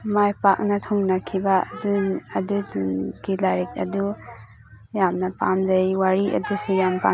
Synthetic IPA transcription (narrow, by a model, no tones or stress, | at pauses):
majpak̚nɐtʰoŋnɐkʰibɐ̰duɐduɡilaɾik̚ɐ̰du | jamnɐpa̰mdɐjwaɾiʔɐ̰dusujampa̰